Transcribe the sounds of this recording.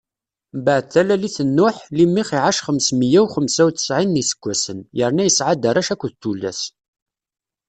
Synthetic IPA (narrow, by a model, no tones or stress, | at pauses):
mbəʕdθælæliθənːʊħlimːiχiʕaʃχəmsməjæwχəmsæwθə̥sʕinːisə̥kʷːæsənjəɾnæjəsʕad̪əɾˤæʃækʷːðt̪ːulːæ̰s